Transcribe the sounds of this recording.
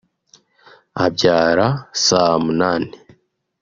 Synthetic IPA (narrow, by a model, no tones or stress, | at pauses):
ab̚ɟaːɾasamunaːne